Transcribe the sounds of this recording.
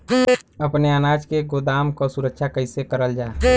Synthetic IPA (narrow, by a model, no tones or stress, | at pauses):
əpneaːnaːd͡ʒkeɡod̪aːmkosuɾəkʃʰakəɪsekəɾəld͡ʒaː